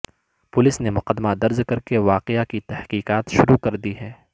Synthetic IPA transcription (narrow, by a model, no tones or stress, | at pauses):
pʊlɪsnemʊqəd̪mad̪ɐɾzkɐɾkeʋaːqɪakit̪ɛhqiːqaːt̪ʃʊɾukɐɾd̪iɦɛː